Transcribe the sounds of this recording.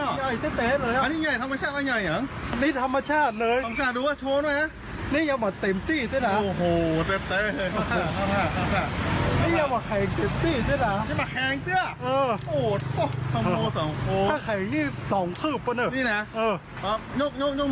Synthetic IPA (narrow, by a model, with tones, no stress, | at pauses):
ɔ˧˩ŋa˧˩jt̪e˧˩t̪eː˨˥lɤː˧jʔa˧niː˥˩ɲa˧˩jt̪ʰa˧mːa˧t͡ɕʰaː˥˩t̪̚ːaː˧˩ɲa˧˩jɲa˨˦ŋniː˧˥˩t̪ʰa˧mːa˧t͡ɕʰaː˥˩t̪̚lɤː˧ja˧t͡ɕʰaː˥˩d̪uː˧waː˥˩t͡ɕʰoː˧˥naː˧˥˩jna˦˥ | niː˥˩ja˧ŋbɔː˨˩t̪e˧˩mt̪iː˥˩t̪ʰaː˥˩na˦˥oː˨˧˩ɦoː˨˩t̪e˧˩t̪e˧˥˧a˧˩a˧˩a˧˩a˧˩niː˥˩ja˧ŋbɔː˨˩kʰɛː˨˩˦ŋt̪e˨˧˩p̚t̪iː˥˩t̪ʰa˥˩na˦˥a˧˩ma˧kʰɛː˧˦ŋt̪ɯ˧˥˩ɐʔɤː˧oː˨˩t̪̚o˧˩kʰa˧m˧oː˧sɔ˨˦ŋo˧˩aː˥˩kʰɛ˨˩˦ŋniː˥˩sɔː˩˦ŋkʰɯː˥˩p̚ːa˧nɯː˧˩niː˥˩na˦˥ʔɤː˧˩ | ʔɔ˦˥˩ɲoː˥˩k̚ɲoː˥˩k̚ɲo˥˩